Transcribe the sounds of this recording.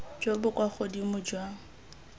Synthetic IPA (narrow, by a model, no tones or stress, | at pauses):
d͡ʒobʊkʼwaχodimʊd͡ʒwaŋ̩